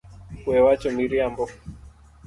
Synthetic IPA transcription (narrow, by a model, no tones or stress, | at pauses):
wɛwat͡ʃɔmiɾiambɔ